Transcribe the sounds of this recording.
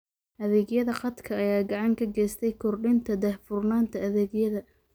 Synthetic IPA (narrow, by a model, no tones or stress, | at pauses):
ʔɐðɛːɡjɐðɐχɑd̪kʰɐːjaːɡɑʕɑŋkʰɐɡɛːst̪ʰɛjkʰʊrɖɪnt̪ʰɐd̪ɛhfʊrnaːnt̪ʰɐɐðɛːɡjɐðɐ